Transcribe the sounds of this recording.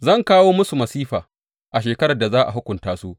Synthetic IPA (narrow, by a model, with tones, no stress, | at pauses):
zɐ˦˨ŋkaː˦woː˦mʊ˦su˨mɐ˨siː˦ɸaː˨ | ʔa˨ʃeː˨kɐ˦ɽa˨da˨zaː˦ʔa̰˨ɦʊ˦kʷʊ˨ntaː˦su˦ʔ